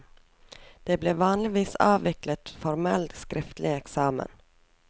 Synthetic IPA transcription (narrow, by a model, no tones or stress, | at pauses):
d̪̥eːbleːʋɑːnlɪʋiːsɑːʋɪklət̪fɔɾmɛlt̪skɾɪft̪lʔɪɛksɑːmə̰n